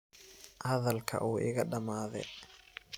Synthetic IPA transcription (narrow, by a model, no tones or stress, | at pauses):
ʔɐðɐlkʰɐ̰ʔuːʔɪɣɐɗɐmaːðɛ̰